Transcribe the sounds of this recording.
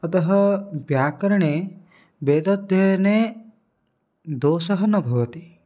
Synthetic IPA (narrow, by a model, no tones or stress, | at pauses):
ɔt̪ɔɦɔbjakɔɾɔɽ̃e | bed̪ɔt̪jɔjne | d̪osɔɦɔnɔbʱɔwɔt̪i